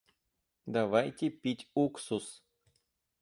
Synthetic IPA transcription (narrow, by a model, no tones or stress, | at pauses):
d̪avajtʲepʲitʲuksus